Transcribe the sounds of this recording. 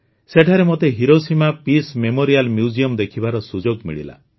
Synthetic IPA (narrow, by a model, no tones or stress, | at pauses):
seʈʰaɾemot̪eɦiɾosimapismemoɾialmjud͡ʒiɔmd̪ekʰibaɾɔsud͡ʒoɡmḭɭḭla̰